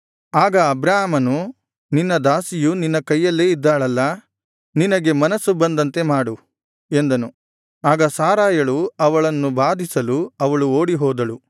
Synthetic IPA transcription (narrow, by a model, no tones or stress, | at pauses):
aːɡɐːbɾaːɦmɐnu | ninːɐd̪aːsijuninːɐkɐjːɐlːeːid̪ːaːɭɐlːɐ | ninɐɡe̞mɐnɐsːubɐnd̪ɐnt̪e̞maːɽu | e̞nd̪ɐnu | aːɡɐsaːɾaːjɐɭuɐʋɐɭɐnːubaːd̪ʱisɐluɐʋɐɭuo̞ːɽiɦɔːd̪ɐɭu